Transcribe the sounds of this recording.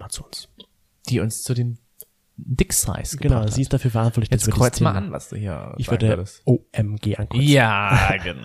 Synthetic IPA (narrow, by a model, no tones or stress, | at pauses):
at͡suʊns | d̥iːʊnst͡sudeːn | dɪksa̰ɪsɡə̥ɡənaʊziːɪst̚d̥afyːɐfɛɐʔãntvɔtɪçdasɐdkədʁɔeːmaanva̰sd̥ṵhiːɐɪçv̥aʏɐɡdəɐdəstoʔɛmɡeːʔankʁɔaːɡən